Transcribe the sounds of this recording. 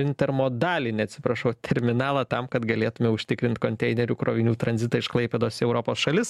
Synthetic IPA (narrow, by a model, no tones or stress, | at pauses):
ɪnʲt̪ʲɛɾmoːd̪ɑːlʲɪnʲɛɐt̪ʲsʲɪpɾɐʃɐʊt̪ʲʰɛɾʲmʲɪnɑːlˠɐt̪ɐmkɐt̪ɡɐlʲeːt̪ʊmʲɛʊʃʲt̪ʲɪkɾʲɪnʲt̪ʲkoːnʲt̪ʲɛɪnʲɛɾʲukɾo̰ːʋʲɪnʲuːt̪ɾɐnʲzʲɪt̪ɐɪʃklˠɐɪpʲeːd̪oːsɛʊɾoːpoːsʃɐlʲɪs